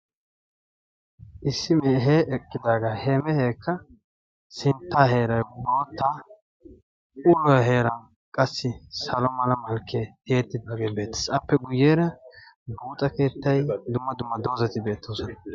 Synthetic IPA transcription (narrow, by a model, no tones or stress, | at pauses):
ʔɪsːɪmeːɦeːʔɛkʼːɪd̪aːɡɐheːmɛheːkʰːɐ | sɪnt̪ːaːhe̞ːɾɐjbo̞ːt̪ːaː | ʔʊlɔjɦe̞ːɾɐn | kʼɐsːɪsɐlɔmɐlɐmɐlkʰːeheːt̪ːɪd̪aːɡe̞ːbe̞ːt̪ːɛ̥sɐpːɛɡʊjːeːɾɐ | buːt̪ʼɐke̞ːt̪ːɐjd̪ʊmːɐd̪ʊmːɐd̪o̞ːzɐt̪ɪbe̞ːt̪ːo̞ːsɔnɐ